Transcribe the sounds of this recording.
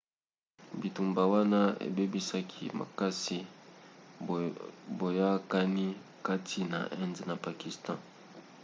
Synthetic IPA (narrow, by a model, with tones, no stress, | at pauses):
bi˨tu˨mba˨wa˦na˦ḛ˨be˦bi˦sa˦kʰḭ˦ma̰˨ka˦si˦ | bo˨ja˦ka˦ni˦ | ka˦tʰi˦na̰˨ʔɛ˦nze˨na˨pa˨ki˨stɑ̃˦